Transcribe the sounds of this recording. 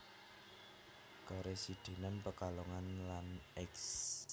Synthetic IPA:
ɡ̥ɔɾesid̪̥e̤nəmpəkaloŋanlanɛks

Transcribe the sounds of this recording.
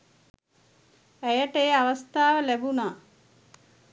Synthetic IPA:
æjəʈeːaʋast̪aːʋəlæbunaː

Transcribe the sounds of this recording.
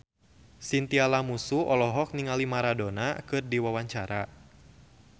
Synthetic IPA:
sint̪ialamusuʔɔlɔɦɔk̚niŋalimaɾadonakɨrdiwawaɲt͡ʃaɾa

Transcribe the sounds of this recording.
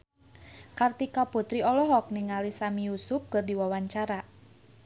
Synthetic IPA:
kart̪ikaput̪ɾiɔlɔɦɔk̚niŋalisamijusʊp̚kɨrdiwawaɲt͡ʃaɾa

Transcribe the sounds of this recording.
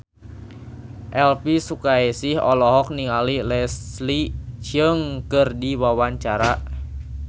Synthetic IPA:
ʔɛlpisukaesihɔ̰lɔɦɔk̚niŋalilɛslid͡ʒəŋkɨrdiwawaɲt͡ʃaɾa

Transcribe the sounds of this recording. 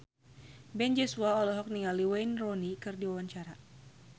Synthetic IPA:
bɛnd͡ʒɔsuaɔlɛɦɔk̚niŋaliwɛjnrɔnikɨrdiwawaɲt͡ʃaɾa

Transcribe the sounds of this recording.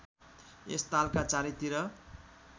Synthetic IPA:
ḛst̪alkat͡saɾit̪iɾʌ

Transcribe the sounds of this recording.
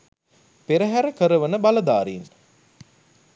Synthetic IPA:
peɾəɦæɾəkəɾəʋənəbalɐd̪aːɾin

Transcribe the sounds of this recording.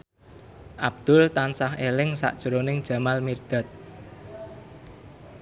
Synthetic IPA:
ʔab̚d̪̥ʊ̤lt̪ansahelɪŋsa̰ʔd̥ʒ̥əɾonɪŋd̥ʒ̥ä̤malmird̪̥a̤t̪̚

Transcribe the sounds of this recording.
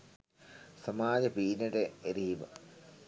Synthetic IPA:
sɐmaːd͡ʑɐpiːnɐɽeeɾiʋɐ̰

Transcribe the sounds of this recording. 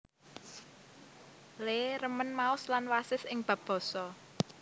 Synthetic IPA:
leɾəmənmaʊslanwasɪsɪŋb̥ä̤b̥ɔ̤sɔ

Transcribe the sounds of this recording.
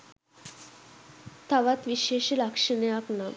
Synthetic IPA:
t̪aʋat̪ʋiɕeɕlakʂənejakna

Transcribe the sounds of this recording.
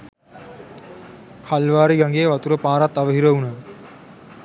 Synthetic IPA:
kʰalʋaːɾiɡaŋɡeːʋat̪uɾəpaːɾat̪ːaʋəɦiɾəunaː

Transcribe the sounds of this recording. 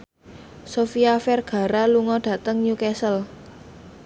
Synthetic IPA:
sofiafɛrɡ̥a̤ɾaluŋɔɖ̥ä̤t̪əŋjukɛsəl

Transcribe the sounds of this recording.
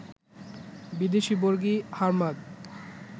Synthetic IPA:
bid̪eʃiboɾɡihaɾmad̪

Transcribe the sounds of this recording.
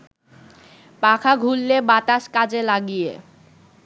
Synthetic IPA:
pakʰaɡʱulːebat̪aʃkad͡ʑelaɡijḛ

